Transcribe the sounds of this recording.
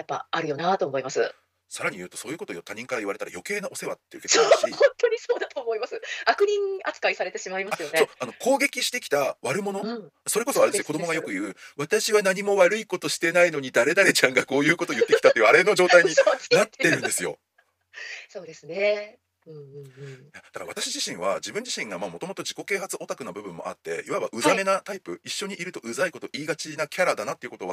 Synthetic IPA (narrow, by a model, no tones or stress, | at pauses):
japːa̰aɾɯ̟jo̞nat̪o̞ːmoimasɨ | saɾaɲ̟ijɯ̟ːt̪o̞so̞ːjɯ̟ko̞t̪o̞jot̪ːaɲ̟ĩŋkaɾaiβaɾe̞t̪aɾa̰jo̞ke̞ːnaʔo̞se̞βat̪ːejɯ̟kehõnt̪oɲ̟iso̞ːd̪at̪o̞ːmo̞imasɨakɯ̟ɲ̟ĩŋat͡sɨ̥kaisaɾe̞t̪e̞ɕimaimaasɨjo̞nsoano̞kʰo̞ːɡe̞kʲiɕi̥t̪e̞kʲi̥t̪aβaɾɯ̟mo̞no̞so̞ɾeko̞soaɾesjoko̞d̪omo̞ɡajo̞kɯ̟jɯ̟ːβat̪aɕiβanaɲ̟imo̞βaɾɯ̟iko̞t̪o̞ɕi̥t̪e̞naino̞ɲ̟id̪aɾe̞d̪aɾe̞t͡ɕãŋɡako̞ːjɯ̟ːkot̪o̞jɯ̟t̪ːekʲi̥t̪at̪ːeiɯ̟aɾe̞no̞ʑo̞ːt̪aiɲ̟inat̪ːe̞ɾɯ̟̃nd̪e̞sɨjo̞̰ | soːd̪esnẽ | jad̪̥akaɾaβat̪aɕiʑiɕĩɰ̃βa̰d͡ʑibɯ̟̃ɲ̟d͡ʑiɕĩŋɡamaːmo̞t̪o̞mot̪o̞ʑiko̞ke̞ːhat͡sɨʔo̞t̪akɯ̟nabɯ̟bɯ̟̃mːo̞̰a̰t̪ːe̞̰iβaba̰ʔɯ̟zame̞nat̪aipɯ̟iɕːo̞ɲ̟iʔiɾɯ̟t̪o̞ɯ̟zaiko̞t̪o̞ʔiːɡat͡ɕinakʲaɾad̪anat̪ːeiɯ̟kot̪o̞βa